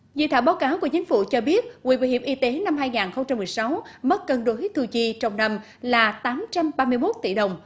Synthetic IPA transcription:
zḭ˧˨t̪ʰaː˧˩ɓaː˨˦wkaː˨˦wku˧˩ət͡ɕï˨˦ŋ̟fṵ˧˩t͡ɕɔ˧ɓi˦˥ət̚wḭ˧˩ɓa˨˧˩jhi˧˨˩ʔi˧t̪e˨˦na˧mɦaː˧jŋaː˨˩nxə˧wŋ͡mt͡ɕa˧mːɨ˨˩əjsa˨˦wmə˦˥t̚kə˧nɗo˨˦jt̪ʰu˧˩t͡ɕi˧t͡ɕɔ˧wŋ͡mna˧m | laː˨˩t̪aː˨˦mt͡ɕa˧mɓaː˧mɨ˧əjmo˦˥t̚t̪ḭ˧˩ɗə˨˩wŋ͡m

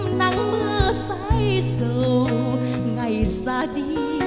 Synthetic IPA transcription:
mna˧˩ŋlɨ˧əsa˧jzə˨˧wŋa˨˩jsa˧di˧

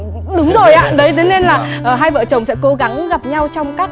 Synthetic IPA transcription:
ɗɨ˨˦ŋzo˨˩jʔa̰ː˧˥ɗə˨˦jt̪ʰe˨˦ne˧nlaː˨˩ʔəː˨˩ɦaː˧jvə̰ː˧˨t͡ɕə˨˩wŋ͡msɛ̰˧˥ko˨˦ɣa˨˦ŋɣa˨˩p̚ɲa˧wt͡ɕɔ˧wŋ͡mka˦˥k̚

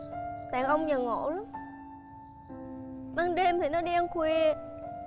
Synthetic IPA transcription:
t̪a̰ː˧˩ʔə˧wŋ͡mɲə˨˩ŋo̰˧˨la˨˦ŋ͡m | ma˧nɗe˧mt̪ʰi˨˩nɔ˨˦ɗi˧ʔə˧ŋ͡mkwi˧˩˨

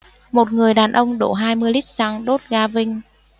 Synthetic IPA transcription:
mo˨˩t̚ŋɨ˨˩əjɗaː˨˩nʔə˧wŋ͡mɗo̰˧˩˦ɦaː˧jmɨ˧əjli˦˥t̚saː˧ŋɗo˦˥t̚ɣaː˧vï˧ŋ̟

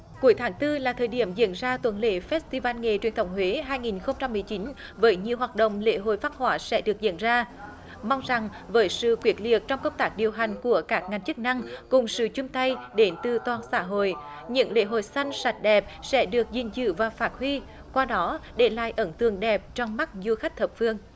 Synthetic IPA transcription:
ku˨˦əjt̪ʰaː˨˦ŋt̪ɨ˧laː˨˩t̪ʰəː˨˩jɗi˧˩əmzḭ˧˥ənzaː˧t̪wə˧˥nlḛ˧˥fɛ˦˥t̚st̪i˧vaː˧nŋe˨˩t͡ɕwi˨˩ənt̪ə˧˨˩wŋ͡mhwe˨˦ɦaː˧jŋi˨˩nxə˧wŋ͡mt͡ɕa˧mːɨ˨˩əjt͡ɕi˨˦n | vəː˨˦jɲi˨˩əwɦaː˨˩t̚ɗə̰˧˨wŋ͡mlḛ˧˥ɦo̰˧˨jfaː˦˥t̚hwaː˧˩sɛ̰˧˥ɗɨ˨˩ək̚zḭ˧˥ənzaː˧ | ma˧wŋ͡mza˨˩ŋ | vəː˨˦jsɨ̰˧˨kwi˨˦˥ət̚li˨˩ək̚t͡ɕɔ˧wŋ͡mkə˧wŋ͡mt̪aː˦˥k̚ɗi˨˩əwɦa˨˩jŋ̟ku˧˩əkaː˦˥k̚ŋa˨˩ŋ̟t͡ɕɨ˦˥k̚na˧ŋkʊ˨˩ŋ͡msɨ̰˧˨t͡ɕʊ˧ŋ͡mt̪a˧jɗe˨˦nt̪ɨ˨˩t̪waː˨˩nsa̰ː˧˥ɦo̰˧˨j | ɲɨ̰˧˥ŋlḛ˧˥˦ɦo̰˧˨jsa˧jn̟sa˨˩t̟̚ɗɛ˨˩p̚sɛ̰˧˥ɗɨ˨˩ək̚zḭ˨˩nzɨ̰˧˩vaː˨˩faː˦˥t̚hwi˧ | kwaː˧ɗɔ˨˦ɗe˧˩la̰ː˧˨jʔə˧˩nt̪ɨ˨˩əŋɗɛ˨˩p̚t͡ɕɔ˧wŋ͡mma˦˥t̚zu˧xa˦˥k̟̚t̪ʰə˨˩p̚fɨ˧əŋ

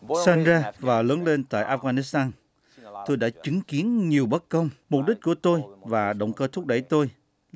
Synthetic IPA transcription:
sa˧nzaː˧vaː˨˩lə˨˦ŋle˧nt̪a̰ː˧˨jʔaː˧˩fɣaː˧ni˦˥st̪aː˧n | t̪o˧jɗa̰ː˧˥t͡ɕɨ˨˦ŋki˨˦ənɲi˨˩əwɓə˦˥t̚kə˧wŋ͡mm˨˩k͡p̚ɗï˦˥k̟̚ku˧˩ət̪o˧jvaː˨˩ɗə̰˧˨wŋ͡mkəː˧t̪ʰʊ˦˥k̚ɗə̰˧˩jt̪o˧j

